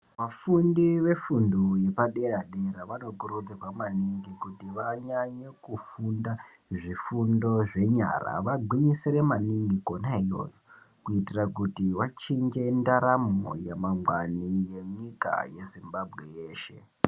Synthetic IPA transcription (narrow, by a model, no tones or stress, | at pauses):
ʋafundiʋe̞funduje̞paɗe̞ɾaɗe̞ɾaʋano̞kurutekamaniŋɡikutiʋaɲaɲekufunda | ʐifundo̞ʐe̞ɲa̰ra̰ʋaɡwiɲiseɾemaniŋɡiko̞naijo̞̰jo | kuitirakutiwat͡ʃind͡ʒe̞ndaɾamo̰jemaŋɡwanije̞ɲika̰je̞zimbabʱɣeje̞ːʃe̞